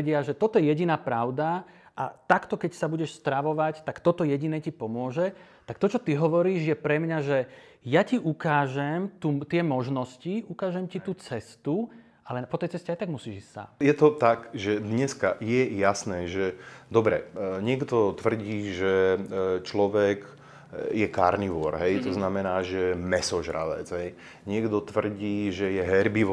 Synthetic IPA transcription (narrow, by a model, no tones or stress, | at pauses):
ɟɪaʒɛt̪ɔt̪ɔjɛjɛɟinaːpɾaʊd̪aʔa̰t̪akt̪ɔkɛcsabuɟɛʃst̪ɾaʋɔʋact̪akt̪ɔt̪ɔjɛɟinɛːcipɔmʊɔʒɛ | t̪ak̚t̪ɔt͡ʃɔt̪iɦɔʋɔɾiːʒjɛpɾɛmɲaʒɛ | jaciʔukaːʒɛmt̪uːt̪ɪɛmɔʒnɔsciukaːʒɛmcit̪uːt͡sɛst̪u | alɛpɔt̪ɛjt͡sɛscɛajt̪aɡ̚musiːʒissa̰jɛt̪ɔt̪aɡʒɛd̪ɲɛskajɛjasnɛːʒɛd̪ɔbɾɛ̰ɲɪɛɡd̪ɔt̪ʋr̩ɟiːʒɛt͡ʃlɔʋɛɡ | jɛkaːɾniʋʊɔɾɦɛjt̪ɔznamɛnaːʒɛmɛsɔʒɾa̰lɛ̰d͡zɦɛj | ɲɪɛɡd̪ɔt̪ʋr̩ɟiːʒɛjɛɦɛɾbiʋ